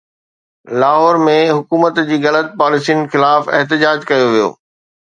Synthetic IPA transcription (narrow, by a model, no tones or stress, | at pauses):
laːɦɔːɾmẽɦʊkuːmət̪d͡ʑiːɣɐlət̪̚paːlɪsinɪ̆xɪlaːfɪ̰ɦt̪ɪd͡ʑaːd͡ʑkɐjoʋijo̰ː